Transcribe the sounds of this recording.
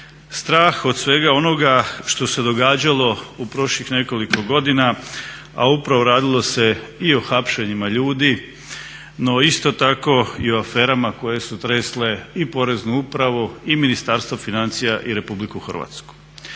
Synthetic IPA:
st̪ɾaːxod̪sʋe̞ːɡao̞no̞ɡaʃt̪o̞se̞d̪o̞ɡaːd͡ʑalo̞upɾo̞ʃʎixne̞ko̞liko̞ɡo̞d̪ina | a̰upɾaʋo̞ɾaːd̪ilˠo̞se̞io̞xapʃeɲimaʎuːd̪i | no̞ist̪o̞t̪ako̞ioafe̞ːɾamako̞je̞sut̪ɾesle̞ipo̞ɾe̞znuupɾaʋuiminist̪aːɾst̪ʋofinant̪sijaʔiɾe̞publikuxr̩ʋa̰t̪sku̥

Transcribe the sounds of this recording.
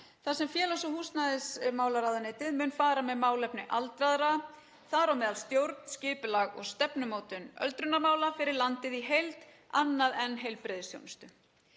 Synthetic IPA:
θasɛmfjɛːlasɔhuːst̪naðɪsmaːwlaɾaðʏnɪːt̪ɪðmʏːnfaːɾamɛðmaːwlɛpnɪʔalt̪ɾaðɾa | θaɾawmɛːðalst̪jowɾt̪n̥scɪːpʏlaɣɔ̰ɣst̪ɛpnʏmoːwt̪ʏnœ̰lt̪ɾʏnːaɾmaːwlafɪɾɪɾlant̪ɪðiɦejlt̪ | anːaðɛnɦejlpɾɪðɪsjo̰wnst̪ʏ

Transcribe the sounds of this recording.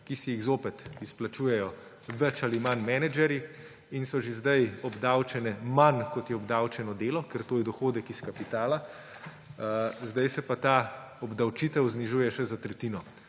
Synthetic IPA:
kisɛjiɣzoːpɛt̪isplat͡ʃuːjɛjɔ | ʋɛt͡ʃalimanmɛnɛd͡ʒɛɾi | insɔʒezd̪ajɔbd̪awt͡ʃɛnɛmankɔt̪jɛɔbd̪awt͡ʃɛnɔd̪eːlɔkɛɾt̪oːjɛd̪ɔxoːd̪ɛkiskapit̪aːla | zd̪ajsɛpat̪a | ɔbd̪awt͡ʃit̪ɛwzniʒuːjɛʃɛzat̪ɾɛt̪iːnɔ

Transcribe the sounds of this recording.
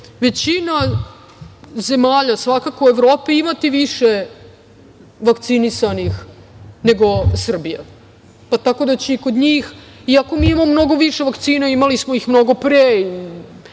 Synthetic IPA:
ʋe̞t͡ɕina | ze̞maːʎasʋakakoe̞ʋɾoːpiimat̪iʋiʃe | ʋakt̪sinisanixne̞ɡo̞sr̩bija | pat̪ako̞d̪at͡ɕeiko̞d̪ɲiːx | iako̞miːimamomno̞ɡo̞ʋiʃe̞ʋakt̪siːnaimalismo̞ixmno̞ɡo̞pɾei

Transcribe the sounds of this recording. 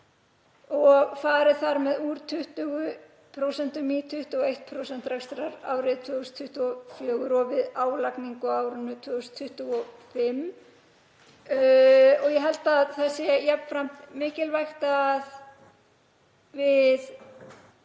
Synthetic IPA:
ɔɣfaːɾɪθaɾmɛðuɾt̪ʰʏht̪ʏɣʏ | pʰɾowsɛn̥t̪ʏmiːt̪ʰʏht̪ʏɔejht̪̚pʰɾowsɛnt̪ɾɛkst̪ɾaɾa̰ːwɾɪðt̪ʰœːʏst̪ʰːʏht̪ʏɔfjœːɣʏɾɔvɪðaːwlakniŋkʏaːwɾʏnʏt̪ʰvœːɣʏst̪ʰːʏht̪ʏɔfɪm | ɔɣjɛɦɛlt̪aðθaðsjɛjapnfɾam̥t̪mɪːcɪlvajxt̪að | vɪð

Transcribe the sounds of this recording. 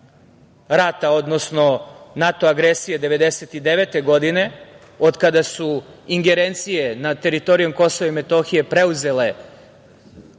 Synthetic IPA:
ɾat̪aod̪nosno̞nat̪o̞aɡɾesijed̪e̞ʋe̞d̪e̞set̪id̪eʋet̪e̞ɡo̞d̪ine̞ | od̪kad̪asuiŋɡeɾent̪sije̞nat̪e̞ɾit̪o̞ɾijomko̞so̞ʋaimet̪o̞xije̞pɾe̞uze̞le̞

